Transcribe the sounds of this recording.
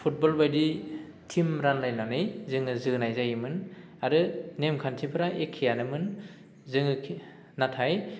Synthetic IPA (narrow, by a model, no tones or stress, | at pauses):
pʰut̚bɔlbajdi | tʰimɾanlajnanɯjzɯŋɯzɯnajzajmɯn | aɾɯnemkʰantʰipʰɯɾaʔekʰːijanɯmɯn | zɯŋɯkʰ | natʰaj